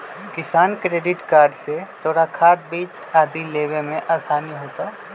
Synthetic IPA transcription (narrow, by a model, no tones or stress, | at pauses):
kɪsaːnkɾeːɖɪʈkaːɾɖset̪ʰoːɽakʰaːt̪̚biːt͡ʃ | aːd̪ileːbemẽʔaːsaːniɦoːt̪a